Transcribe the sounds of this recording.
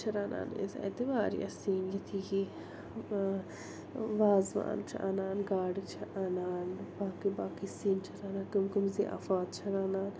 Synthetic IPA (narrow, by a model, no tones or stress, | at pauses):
t͡ʃʰɐɾaːna̰ːnḭzɐ̰d̪iʋaːɾḭʔɐ̰siːnjit̪ʰiki | ʋaːzʋa̰ːnt͡ʃʰɐʔɐ̰naːnɡaːɖit͡ʃʰɐʔɐnaːnbaːkibaːkisiːnt͡ʃʰɐɾaːnakɐmɡɐmziʔa̰faːt̪t͡ʃʰɐɾaːnaːn